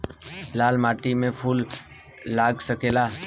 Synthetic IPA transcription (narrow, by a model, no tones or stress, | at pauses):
laːlmaːʈiːmẽːpʰuːlː | aːɡsəkeːlaː